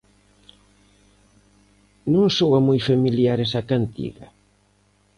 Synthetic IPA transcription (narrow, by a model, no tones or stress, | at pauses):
nõŋsowamujfamiljaɾesakant̪ḭɣɐ